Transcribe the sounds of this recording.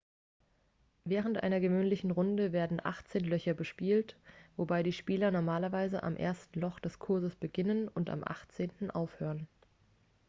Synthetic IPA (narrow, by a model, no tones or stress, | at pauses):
vɛːʁ̞əntʔa̰ɪnɐɡəvøːnlɪçn̩ʁʊndəveːɐdn̩ʔa̰χt͡seːnlœçɐbəʃpiːltv̥obaɪɾiːʃpiːlɐnɔɐmaːlɐvaɪzə̰ʔa̰mʔḛːɐstn̩lɔχd̥ɛskʰʊɐzəsb̥əɡɪnənʊnta̰mʔa̰χt͡seːntn̩ʔa̰ʊfhøːʁən